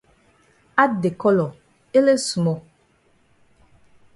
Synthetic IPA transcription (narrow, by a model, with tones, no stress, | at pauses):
a˦de˨kɔ˦lɔ˨ | e˦le˦su˨mɔ˨